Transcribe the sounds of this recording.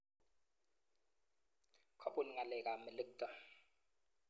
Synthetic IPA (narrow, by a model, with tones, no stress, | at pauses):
kʰa˦˨pʼu˨n˨ŋa˨lɛ˨kʼa˨mɪ˨lɪ˦k̚tʼa˨